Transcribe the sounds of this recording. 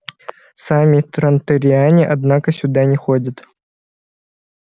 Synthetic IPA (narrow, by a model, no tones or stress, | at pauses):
samʲit̪ɾɐnt̪əɾʲɪanʲɪʔad̪nakəsʲʊd̪anʲɪxodʲət̪